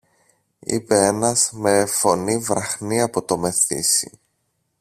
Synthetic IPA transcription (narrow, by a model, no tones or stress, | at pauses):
ḭpe̞e̞nɐzme̞fo̞nivɾɐxniɐpo̞t̪o̞me̞θḭsḭ